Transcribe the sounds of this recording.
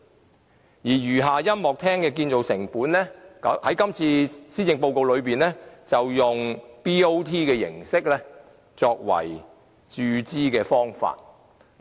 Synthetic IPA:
jiː˨˩jyː˨˩ɦaː˨jɐ˥mmɔː˨k̚t̪ʰɛː˥ŋkɛː˧k̬iː˧nt͡so˨wsɪ˨˩ŋpuː˨˥nlɛː˥khɐ˨˥jkɐ˥mt͡sʰiː˧siː˥jɪ˧ŋpo˧wko˨˧wlɵ˨˧ɥpiː˨nlɛː˥t͡sɐ˨wjʊ˨ŋpiː˥o˥wt̪ʰiː˥kɛː˧jɪ̰˨˩ŋsɪ˥k̚lɛː˥ | t͡sɔː˧k̚wɐ̰˨˩j | t͡ʃyː˧t͡siː˥kɛː˧fɔː˥ŋfa̰ː˧t̚

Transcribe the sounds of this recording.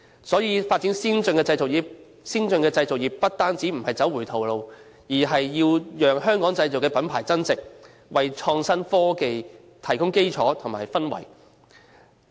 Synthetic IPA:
sɔː˨˥jiː˨˧faː˧t̚t͡siː˨˥nsiː˥nt͡sɵ˧ŋkɛː˧t͡sɐ˧jt͡so˨kjiː˨˩p̚ | siː˥nt͡sɵ˧ŋkɛː˧t͡sɐ˧jt͡so˨k̚jiː˨˩p̚ːɐ˥t̚t̪aː˥nt͡siː˨˥m̩˨˩hɐ˨jt͡sɐ˨˥wːuː˨˩t̪ʰo˨wlo˨˧w | jiː˨˩ɦɐ˨jːiː˧wjœː˨ŋɦœː˥ŋkɔː˨˥ŋt͡sɐ˧jt͡so˨kɛː˧pɐ˨˥npʰa̰ː˨˩jt͡sɐ˥nt͡sɪ˨k̚ | wɐ˨jt͡ʃʰɔː˧ŋsɐ˥nfɔː˥ke˨j | t̪ʰɐ˨˩jkʊ˥ŋke˥jt͡sʰɔː˨˥t̪ʰʊ˨˩ŋma̰ː˨jfɐ˥nwɐ̰˨˩j

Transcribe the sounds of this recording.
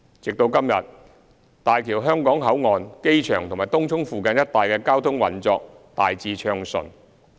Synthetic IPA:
t͡sɪ˨k̚t̪o˧wkɐ˥mjɐ̰˨t̚ | t̪aː˨jkʰiː˨˩wɦœː˥ŋkɔː˨˥ŋɦɐ˨˥wŋɔː˨˧nke˥jt͡ʃʰœː˨˩ŋt̪ʰmaː˨˩jt̪ʊ˥ŋtʰʊ˥ŋfuː˨˧kɐ˧njɐ˥t̚t̪aː˨˩jkɛː˧kaː˥wt̪ʰʊ˥ŋwɐ̰˨˩nt͡sɔː˧k̚ | t̪aː˨jt͡siː˧t͡ʃʰœː˧ŋsɵ̰˨˩n

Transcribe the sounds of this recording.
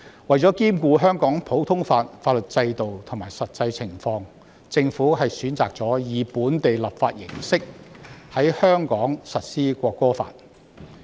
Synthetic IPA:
wɐ˨jt͡sɔː˨˥kiː˥mkuː˧ɦœː˥ŋkɔː˨˥ŋpʰo˨˥wt̪ʰʊ˥ŋfaː˧t̚faː˧t̚lɵ˨t̚t͡sɐ˧jt̪o˨wt̪ʰʊ˨˩maː˨˩jsɐ˨t̚t͡sɐ˧jt͡sʰɪ˨˩ŋfɔː˧ŋ | t͡sɪ˧ŋfuː˨˥ɦɐ˨jsyː˨˥nt͡sa̰ː˨k̚t͡sɔː˨˥jiː˨puː˨˥nt̪e˨jlɐ˨pfaː˧t̚jɪ˨˩ŋsɪ˥k̚hɐ˨˥jhœː˥ŋkɔː˨˥ŋsɐ˨t̚siː˥kʷɔː˧kːɔː˥fa̰ː˧t̚

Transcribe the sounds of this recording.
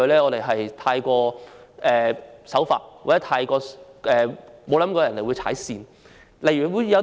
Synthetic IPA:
ɵ˧˥lɛː˥ŋɔː˨˧ɾe˨˩jɦɐ˨jt̪ʰaː˧jkɔː˧ʔɛː˨sɐ˨˥wfa̰ː˧˩t̚wa˨˩t͡sɛ˦˥t̪ʰaː˧jkɔː˧ʔɛː˨mo˨˧wlɐ˨˥mkɔː˧jɐ˨˩ne˨˩jwu˨˧jt͡sʰa̰ː˨˥jsiː˧n | lɐ˨˩jɥyː˨˩wuː˨˧jɐ˧

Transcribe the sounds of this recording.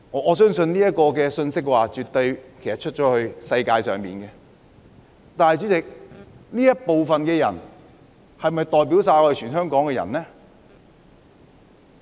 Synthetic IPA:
ŋɔː˨˧ŋɔː˨˧sœː˥ŋsɵ˧nniː˥jɐ˥t̚kːɔː˧kɛː˧sɵ˧nsɪ˥k̚waː˨t͡ʃyː˨˩t̪o˧jkʰe˨˩jsɐ˨t̚t͡ʃʰɵ˥t̚t͡ʃɔː˨˥hɵ˧ɥsɐ˧jkaː˧jsœ̰ː˨˩ŋpḭː˨˩nkɛ˧ | t̪aː˨nhjt͡ʃyː˨˥t͡sɪ˨k̚niː˥jɐ˥t̚po˨wfɐ˨nkɛː˧jɐ̰˨˩n | hɐ˨jmɐ˨jt̪ɔː˨jp̬iː˨˥wsaː˧jɔː˨˧˥e˨˩t͡ʃʰyː˨˩nɦœː˥ŋkɔː˨˥ŋkɛː˧jɐ̰˨˩nlɛ˥

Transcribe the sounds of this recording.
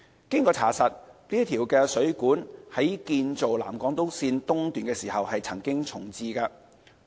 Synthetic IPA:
kɪ˥ŋkɔː˧t͡sʰaː˨˩sɐ˨t̚liː˥t̪ʰiː˨˩wkɛː˧sɵ˨˥ɥkuː˨˥nhɐ˨˥jkiː˧nt͡so˨wla̰ː˨˩mkɔː˨˥ŋt̪o˥wsiː˧nt̪ʊ˥ŋt̪yː˨nkɛː˧siː˨˩hɐ˨whɐ˨jt͡sʰɐ˨˩ŋkɪ˥ŋt͡sʰʊ˨˩ŋt͡siː˧kaː˧

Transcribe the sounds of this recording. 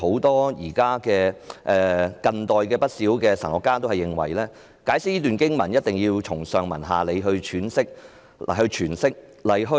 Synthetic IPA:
ho˨˥wt̪ɔː˥jiː˨˩kaː˥kɛː˧ʔɛː˨˧kɐ˨˧nt̪ɔː˨jkɛː˧pɐ˥t̚siː˨˥wkɛː˧sɐ˨˩ŋɔː˨˧kːaː˥t̪o˥hɐ˨jːɪ˨ŋwɐ̰˨˩jlɛː˥ | kaː˨˥jsɪ˥jiː˥t̪yː˨nkɪ˥ŋmɐ˨˩njɐ˥t̚t̪ɪ˨ŋjiː˧wt͡ʃʰʊ˨˩ŋsœː˨ŋmɐ̰˨˩nɦa̰ː˨˩le˨˧jɦɵ˧ɥt͡ʃʰyː˨˥nsɪ˥k̚ | a̰˨˩hɵ˧ɥt͡ʃʰyː˨˩nsɪ˥k̚lɐ˨˩jɦɵ˧

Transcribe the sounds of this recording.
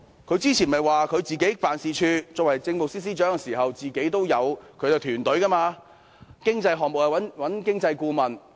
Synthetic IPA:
kʰɵ˨˧ɥt͡siː˥t͡sʰiː˨˩nmɐ˨jwaː˨kʰɵ˨˧ɥt͡siː˨ke˨˥jfaː˨nsiː˨˩t͡ʃʰyː˧t͡sɔː˧kwɐ˨˩jt͡sɪ˧ŋmo˨k̚siː˥s̬iː˥t͡ʃœː˨˥ŋɛ˧siː˨˩hɐ˨wt͡siː˨ke˨˥jt̪o˥wjɐ˨˧wkʰɵ˨˧ɥt̪ɪ˨k̚t̪ʰyː˨˩nt̪ɵ˨˥ɥkɐ˥maː˧ | kɪ˥ŋt͡sɐ˧jɦɔː˨ŋ̚mo˨khɐ˨˩ɐ˨˥nwɐ˨˥nkɪ˥ŋt͡sɐ˧jkuː˧mɐ˨n

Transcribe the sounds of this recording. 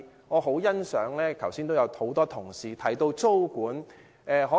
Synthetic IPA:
ŋɔː˨˧ɦo˨˥wjɐ˥nsœː˨˥ŋlɛː˥kʰɐ˨˩wsiː˥nt̪o˥wjɐ˨˧who˨˥wt̪ɔː˥t̪ʰʊ˨˩ŋsiː˨t̪ʰɐ˨˩jt̪o˧wt͡so˥wkuː˨˥n | ʔɛː˨˧ɦɔː˨˥

